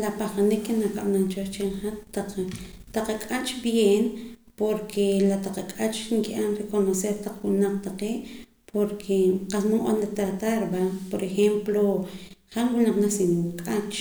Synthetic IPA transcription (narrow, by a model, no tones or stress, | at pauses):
lapaχanikːenakaɓnant͡ʃoʃt͡ʃeɴχat̪ːaqt̪aqakʼat͡ʃbjeːnpoɾkʰelat̪aqakʼat͡ʃŋkiʔanrekonoseɾt̪aq͡χwunaq͡χ̚t̪aqeːʔ | pʰoɾkʰeqasnuʔanlet̪ɾat̪aɾbapoɾʔexemploχamwunaqnasimukʼat͡ʃ